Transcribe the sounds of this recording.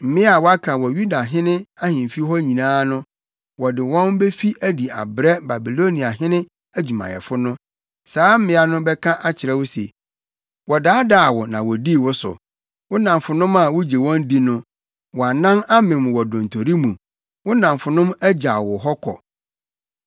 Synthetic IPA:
m̩˨mɪ̃˦a˨wɔ˦a˦kʰã˨wɔ˨ju˦da˨ɦɪ̃˦nɪ̃˦a˦hɪ̃˨fi˦ɦɔ˦ɲĩ˨nãː˦nʊ̃˦ | wɔ˨dɪ˨wɔ̃˦nbe˦fi˦ʔæ˦di˨a̰˨bɾɛ˦ba˨bi˨lo˦nĩ˨a˨ɦɪ̃˦nɪ̃˦ | æ˦d͡ʑᶣu˨mã̰˨jɛ̰˨fʊ˦nʊ̃˦ | saː˦m̩˦mɪ̃˦a˨nʊ̃˦bɛ˦kʰã˦ʔa˦t͡ɕʰɪ˨ɾɛ˦wʊ˦sḛ˨ | wɔ˨daː˦da˦˨wɔ˨nã˨wɔ˨di˦˨wʊ˦sʊ̰˨ | wʊ˦nã˨m˨fʊ˨nʊ̃˦ma˨wʊ˦d͡ʑe˨wɔ̃˦n˦di˦nʊ̃˦ | wɔ˨a˨nã˦na˦mɪ̃˨m˨wɔ˨dʊ̃˨n̩˨tʰo˨ɾi˦mũ˨ | wʊ˦nã˨mfʊ˨nʊ̃˦mæ˦d͡ʑa˨wɔ˨ɦɔ˦kʰɔ̰˨

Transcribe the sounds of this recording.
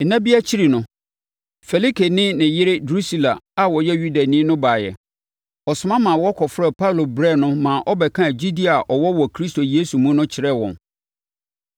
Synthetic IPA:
nã˦bi˦a˦t͡ɕʰi˦ɾi˨nʊ̃˨ | fɛ˨li˦kʰe˨nɪ̃˦nɪ̃˨jɪ˦ɾɪ˦du˦si˦˨la˨a˨wɔ˨jɛ˦ju˦da˨nĩ˦nʊ̃˦baː˨jɛ̰˨ | ɔ˨sʊ˨˦mã˦mã˨wɔ˦kʰɔ˨fɾɛ˨pʰa˦lo˨bɾɛ˦˨nʊ̃˦mã˨ʔɔ˦bɛ˨kʰã˦˨d͡ʑi˦di˦a˨ʔɔ˨wɔ˦wɔ˨kʰɾi˦sto˨je˦su˨mũ˦nʊ̃˦t͡ɕʰɪ˨ɾɛ˦˨wɔ̰̃˨n

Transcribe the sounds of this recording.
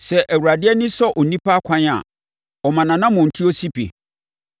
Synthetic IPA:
sɛ˨ʔæ˨wu˨ɾa˨dɪ˦ɛ˦nɪ̃˦sɔ˦ʔɔ˨nĩ˦pʰa˦kʷʰã˦na̰˨ | ɔ˨mã˨nã˨nã˦mʊ̃˨n̩˨tʰu˦ɔ˦si˦pʰḛ˨

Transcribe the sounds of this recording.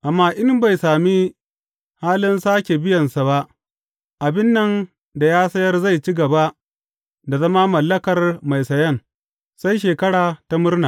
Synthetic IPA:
ʔa˨mːaː˦ʔɪ˦mba˨jsaː˨mi˦ | haː˦lɪ˦nsaː˦kʲe˨bɪ˦jɐ˨nsa˨ba˦ʔ | ʔa˨bɪ˦nːɐ˨n | da˨jaː˦sɐ˦jɐ˦rza˦˨jt͡ʃi˦ɡɐ˨ba˦ʔ | da˨zɐ˦ma˦mɐ˨lːɐ˦kɐ˨rma˨jsɐ˨jɐ˦ŋ | sa˦jʃ̬eː˨kɐ˦ɽaː˨ta˦mʊ˦rnaː˨

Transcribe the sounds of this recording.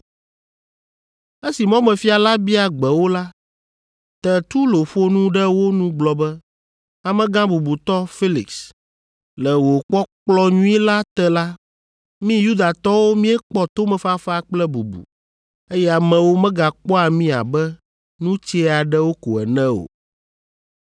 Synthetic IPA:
e˦si˨mɔ̃˦mɛ̃˨fi˦a˨la˦bi˦a˨ɡ͡bɛ˨wo˦la˦ | t̪ɛ˨t̪u˦lo˨ɸo˦nũ˦ɖɛ˦wo˦nũ˦ɡ͡blɔ˨bɛ˦ | a˨mɛ̃˦ɡã˦bu˨bu˨t̪ɔ˦fi˦lḭ˨ks | lɛ˨wo˨k͡pɔ˦k͡plɔ˦ɲũ˦i˦la˦t̪ɛ˦la˦ | mĩ˦ju˦d̪a˨t̪ɔ˦wo˦mĩ˦ɛ˦k͡pɔ˦t̪o˦mɛ̃˨˦fa˦fa˦˨k͡plɛ˦bu˨bṵ˨ | e˦jɛ˦a˨mɛ̃˨wo˦mɛ̃˦ɡa˨k͡pɔ˦a˨mĩ˦a̰˨bɛ˦ | nũ˦t͡ɕɛ˦a˨ɖɛ˦wo˦ko̰˨ɛ̰˨nɛ̃˦o̰˨

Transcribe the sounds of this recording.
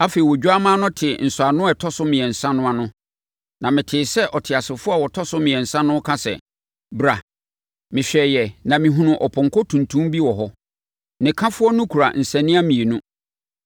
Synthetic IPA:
a˦fe˨i˨wɔ˨d͡ʑᶣu˦a˦mãː˦nʊ̃˦tʰɪ˨n̩˨sʊ˨a˨nʊ̃˦ɛ˨tʰɔ˦sʊ˦mɪ̃˨ɛ˨n̩˨sã˦nʊ̃˦a˨nʊ̃˦ | nã˨mɪ̃˨tʰɪː˨sɛ˦ʔɔ˨tʰɪ˨a˨sɪ˨fʊ˦a˨wɔ˨tʰɔ˦sʊ˦mɪ̃˨ɛ˨n̩˨sã˦nʊ̃˦kʰã˦sɛ̰˨ | bɾa˨ | mɪ̃˨ɕᶣɛ˨jɛ˨nã˨mɪ̃˨ɦũ˨nʊ̃˨ʔɔ˨pʰɔ̃˨ŋ̩˨kʰɔ˦tʰũ˨ntʰũ˦mbi˦wɔ˨ɦɔ˦ | nɪ̃˨kʰã˦fʊ˦ɔ˦nʊ̃˦kʰu˨ɾa̰˨n̩˨sɛ̃˨nɪ̃˦a˦mĩ˨e˨nũ˦

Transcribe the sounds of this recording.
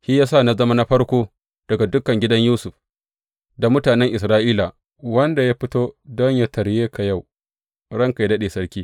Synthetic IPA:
hi˦jaː˦sa˦˨na˨zɐ˦ma˦na˦ɸɐ˦ɽkʷoː˦ | d̥ɐ˨ɡa˨dʊ˦kːɐ˨ŋɡʲɪ˦dɐ˦ɲjuː˦sʊ˨ɸ | da˨mʊ˦taː˨nɛ˦ŋʔɪ˨sɾaː˦ʔiː˦la˨ | wɐ˦nda˨ja˦ɸɪ˦toː˦dɔ˦ɲja˦tɐ˨ɽjeː˦kʰa˨ja˦˨w | ɽɐ˦ŋka˨ja˦dɐ˦ɗeː˨sɐ˦ɽkʲiː˦

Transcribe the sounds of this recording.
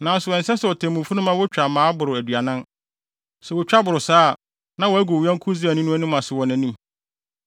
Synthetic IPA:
nã˨n˦sʊ˨wɔ̃˨n̩˨sɛ˦sɛ˨ɔ˨tʰɛ̃˨mũ˨fu˦nʊ̃˦mã˦wʊ˦t͡ɕᶣa˨mãː˨˦bʊ˨ɾʊ˨æ˨dɥa˨nã˦n | sɛ˨wʊ˨t͡ɕᶣa˦bʊ˨ɾʊ˨saː˦˨ | nã˦wɔ˨æ˦ɡʊ˨wɥɛ̃˦ŋ̩˦kʰʊ˦d͡zɪ˦æ˨nĩ˦nʊ̃˦æ˦nʊ̃˦mã˨sʊ˨wɔ̃˨næ̃˨nĩ˦

